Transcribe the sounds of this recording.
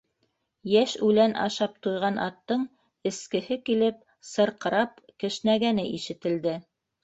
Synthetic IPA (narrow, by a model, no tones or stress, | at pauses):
jæʃʉlænʔɑ̰ʃɑp̚t̪ujʁɑnʔɑ̰t̪ːɤɴ | ɘ̆skɘ̆hɘkilɘp | sɤ̆ɾqɤ̆ɾɑp̚kɘ̆ʃnæɡænɘʔiʃɘ̆t̪ɘ̆ld̪ɘ